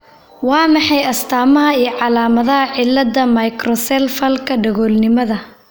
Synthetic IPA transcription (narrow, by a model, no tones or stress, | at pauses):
wɑːmɑħɑjɐst̪ʰaːmɐɦɐiːjɞʕɑlaːmɐðɐɦɐʕɪlːɐd̪ɐmɐjkrɔsɛlfɐlkʰɐɖɐɣɔːlnɪmɐðɐ